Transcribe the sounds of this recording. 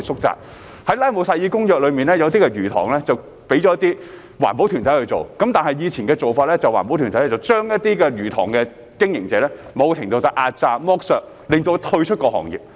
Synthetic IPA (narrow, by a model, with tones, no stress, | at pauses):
sʊ˥k̚t͡sa̰ː˧˨k̚ | hɐ˨˥jlaː˥jmo˨˧wsaː˧jiː˧kʊ˥ŋjœː˨k̚lɵ˨˧miː˨nɛː˥jɐ˨˧wt̪i˥kɛ˧ɥyː˨˩t̪ʰɔ̰ː˨˩ŋlɛː˥t͡sɐ˨w | pe˨˥jt͡ɕɔː˨˦jɐ˥t̪iː˥ | wa̰ː˨˩npo˨˥wt̪ʰyː˨˩nʰɐ˨˥jhɵ˧jt͡so˨wkɐ˨˥mt̪aː˨nhɐ˨jjiː˨˧t͡sʰiː˨˩nkɛː˧t͡so˨wfaː˧t̚lɛː˥t͡sɐ˨˩waː˨˩npo˨˥wt̪ʰyː˨˩t̪ʰjɛ˥t͡sɐ˨˩wt͡ʃœː˥ŋjɐ˥t̪̚iː˥kɛ˧ɥyː˨˩t̪ʰɔː˨˩ŋkɛ˧ | kɪ˥ŋjɪ˨˩ŋt͡sɛː˨˧˥lɛː˥mo˨˧wkt͡ɕʰɪ˨˩ŋt̪o˧wt͡sɐ˨wʔaː˧t̚t͡saː˧mɔː˥k̚sœː˧k̚ | lɪ˨˩ŋt̪o˧wt̪ʰɵ˧ɥt͡ʃʰɵ˥t̚kɔː˧hɔ̰ː˨˩ŋjḭ˨p̚